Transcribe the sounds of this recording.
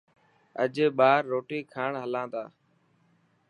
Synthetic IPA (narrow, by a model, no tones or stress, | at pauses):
ə̰d͡ʒeːɓaːɾːoːʈiːkʰaːɳɦəlãːt̪aː